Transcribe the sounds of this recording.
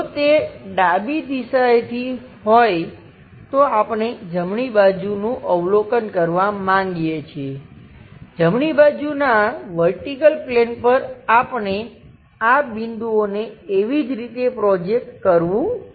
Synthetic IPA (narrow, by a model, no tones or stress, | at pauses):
t̪eɖabid̪isajt̪ʰi | ɦoj | t̪oapɳ̃ed͡ʒəmɳibad͡ʒunũʔəʋlokənkəɾʋamãŋɡijet͡ʃʰe | d͡ʒəmɳibad͡ʒunaʋəɾʈikəlplenpəɾapɳe | abind̪uoneːʋid͡ʒɾit̪epɾɔd͡ʒek̚ʈkəɾʋũ